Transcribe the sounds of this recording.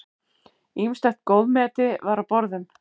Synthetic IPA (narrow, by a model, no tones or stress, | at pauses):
imst̪ɛxt̪̚koːwðmɛːt̪ɪvaɾawpɔɾðʏm